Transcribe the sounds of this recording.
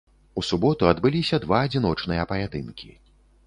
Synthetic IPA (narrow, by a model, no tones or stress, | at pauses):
usubɔt̪uɐd̪bɨlʲisʲɐd̪vaːd͡zʲin̪ɔt͡ʂnɨjɐpɐjʲat̪ɨnkʲḭ